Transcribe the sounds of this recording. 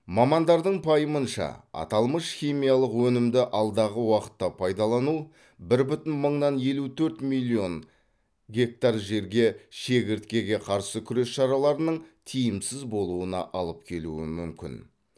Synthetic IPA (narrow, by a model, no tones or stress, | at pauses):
mɑmɑnd̪ɑɾd̪əɴpʰɑjəmənʃɑ̰ɑ̰t̪ɑlˠməʃχijmijɑlˠəqwɵnɪmd̪ɪʔɑlˠd̪ɑʁəwɑqə̥t̪ːɑpʰɑjd̪ɑlˠɑnu | bɪɾbʏt̪ɪnməɴnɑnje̞lut̪ʰɵɾt̪milʲːio̞n | ɡʲe̞k̚t̪arʒe̞ɾɡʲe̞ʃe̞ɡʲɪɾt̪̚kʲe̞ɡʲe̞qʰɑɾsəkʲʰʏɾe̞sʃɑɾɑlˠɑɾənəɴt̪ʰijɪmsɪzbo̞lˠuənɑ̰ʔɑlˠəp̚kʲʰe̞luɪ̰mʏmkʲɪ̰n